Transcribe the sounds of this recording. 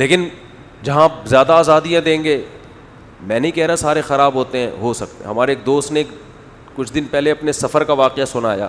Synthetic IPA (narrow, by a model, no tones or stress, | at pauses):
leːkɪn | d͡ʒɐɦãzjaːd̪aaːzaːd̪ijãd̪ẽːŋɡeː | mɛ̃ːnɦikɛɦɾasaːɾexɐɾaːbɦoːt̪eɦɛ̰̃ɦosɐk̚t̪ḛɦɐmaːɾeːk̚d̪oːst̪neːk | kʊt͡ʃʰd̪ɪnpɛɦleɐpnesɐfəɾkaʋaːqejasʊnaːja̰ː